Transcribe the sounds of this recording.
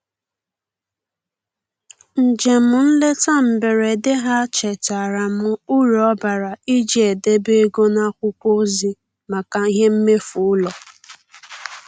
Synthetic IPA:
n̩˨d͡ʒe˨mʊ˨n̩˦le˦ta˦m̩˨be˨ɾe˨dɪ˦ɦa˦t͡ʃe˨ta˨ɾa˨mʊ˦u˦ɾɔ˦ba˨ɾa˨i˦d͡ʒi˦e˨de˦be˦ɡo˦na˦kʷʊ˦kʷo˦zi˦ | ma˨ka˨i˦ɦe˦m̩˦me˦fʊ˨ʊ˦lɔ˨

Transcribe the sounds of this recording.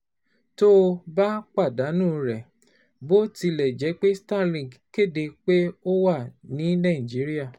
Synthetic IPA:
to˦ba˦k͡pa˦˨da˨˦nũ˦˨ɾɛ˨ | bo˦ti˧lɛ˨d͡ʒɛ˨˦k͡pe˦sta˦˨lĩ˨ɡke˦˨de˧k͡pe˦o˦wa˦˨nĩ˨˦nã˦˨d͡ʒi˨˦ɾi˦a˦˨

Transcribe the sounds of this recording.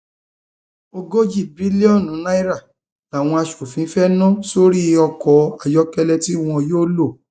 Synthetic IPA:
o˧ɡo˦d͡ʒi˦˨bɾi˨˦li˦ɔ˦˨nũ˨˦na˦i˦ɾa˦˨ | a˨w̃ɔ̃˧a˧ʃo˨fĩ˨˦fɛ˦nã˦so˦ɾi˦˧ɔ˧kɔ˨a˨jɔ˦kɛ˦lɛ˦˧ti˦w̃ɔ̃˧joː˦lo˦˨

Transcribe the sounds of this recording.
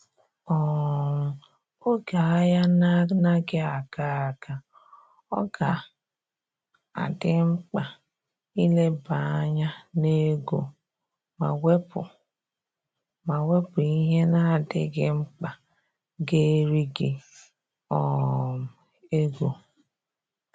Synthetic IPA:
ɔ˦˨m̩˨ | o˦ɡa˨a˦ja˦na˦na˦ɡɪ˦a˨ɡa˦a˨ɡa˨ | ɔ̰˦ɡa˨ | a̰˨dɪ˦ŋ͡m̩˦k͡pa˨ | i˦le˦ba˨a˦ɲa˦ne˦ɡo̰˨ | ma˨we˦pʊ̰˨ | ma˨we˦pʊ˨i˦ɦe˦na˦a˨dɪ̰˦ɡɪ˦ŋ͡m̩˦k͡pa˨ | ɡe˦ɾi˦ɡɪ˨ | ɔ˨ | e˦ɡo˨

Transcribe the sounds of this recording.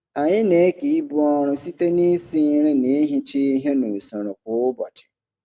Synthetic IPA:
a˨ɲɪ̃˦ne˦ki˨i˦bʊ˦ɔ˦ɾ̃ʊ̃˦si˦te˦nĩ˦sɪ˦ɾɪ̃˦nĩ˨˦ɦĩ˦t͡ʃɪ˦i˦ɦe˦nũ˨sɔ˨ɾʊ̃˨kʊ˨˦ʊ˦bɔ˨t͡ʃɪ̥˨

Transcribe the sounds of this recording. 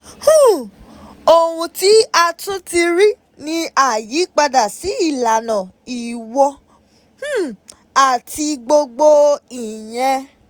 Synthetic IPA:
hũ˦˨ | o˨wũ˧ti˦a˧tũ˦ti˧ɾi˦ | nĩ˦a˦˨ji˨˦k͡pa˧da˨si˨˦i˦˨la˨nã˨i˨wɔ˧ | h̩˦ | a˨ti˧ɡ͡bo˧ɡ͡bo˧i˨j̃ɛ̃˧

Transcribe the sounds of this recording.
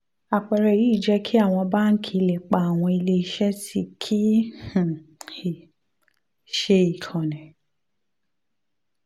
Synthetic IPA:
a˨k͡pɛ˨ɾɛ˨i˦˨d͡ʒɛ˦kʰi˦a˦˨w̃ɔ̃˧ba˦ŋ̩˦kʰi˦le˨k͡pa˨a˨w̃ɔ̃˧i˧le˧i˧ʃɛ˦si˦kʰi˦h̩˨i˨ | ʃe˧i˨kʰã˨nɛ̃˨

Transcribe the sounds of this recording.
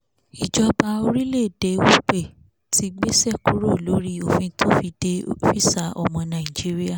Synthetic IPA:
i˨d͡ʒɔ˧ba˧o˧ɾi˦le˦˨de˨˦wo˦k͡pe˦˨ | tʰi˧˦ɡ͡be˦sɛ˦˨ku˨˦ɾo˦˨lo˨˦ɾi˦o˨fĩ˧tʰo˦fi˧de˧fi˦sa˨˧˦ʔɔ̰˨mɔ̃˧nã˨ĩ˨d͡ʒi˨˦ɾi˦a˦˨

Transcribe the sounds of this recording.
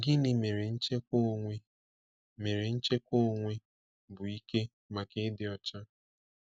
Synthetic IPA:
ɡɪ˦nɪ˨me˨ɾe˨n̩˦t͡ʃe˦ko˦ŋʷe˦ | me˨ɾe˨n̩˦t͡ʃe˦ko˦ŋʷe˦ | bʊ˨i˦ke˦ | ma˨ke˦dɪ˦ɔ˨t͡ʃa˦

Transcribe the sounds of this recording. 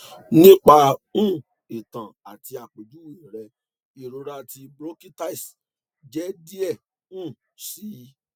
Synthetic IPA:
nĩ˦k͡pa˧ũ˦˨ | i˨tã˨a˨ti˧a˨k͡pe˨d͡ʒu˨˦wɾɛ˧ | i˨ɾo˧ɾa˧ti˧bɾo˦ki˦ta˦i˨s | d͡ʒɛ˦di˦ɛ˦˨ | ũ˦˨ | si˦˧˦

